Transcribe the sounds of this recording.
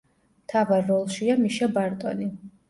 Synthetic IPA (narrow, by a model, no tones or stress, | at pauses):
t̪ʰavaɾːɔlˠʃiamiʃabaɾt̪ʼɔni